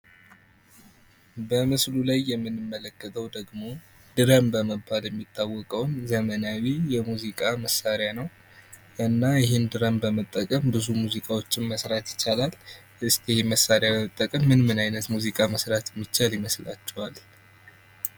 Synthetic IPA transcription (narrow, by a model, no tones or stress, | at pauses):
bəmɨslulajːɛmːɨnːɨmːələkːət̪ʰəwd̪əɡmo̞ | d̪̥ɨɾəmbəməbːaljɛmːit̪ʰːawːɔkʼəwnzəmənawijɛmuzikʼaməsːaɾjanəw | ʔɨnːajɪɦend̪ɨɾəmbəmət̪ʼːəkʼəmbɨzumuzikʼawo̞t͡ʃːɪnməsɾat̪jɪ̥t͡ʃːalal | ʔɨst̪ɛheməsːaɾjabəmət̪ʼːəkʼəmːɨnmɨnajnət̪muzikʼaməsɾat̪jɛmːit͡ʃːaljɪməsla̰t͡ʃːɛwal